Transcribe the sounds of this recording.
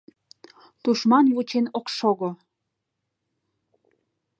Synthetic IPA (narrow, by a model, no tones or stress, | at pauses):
t̪uʃmɑnβut͡ɕenokʃoɣo